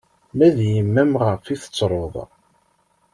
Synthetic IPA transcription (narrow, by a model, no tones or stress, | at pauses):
mæðjəmːæmʁəfiθə̥t͡sːɾˤoðˤ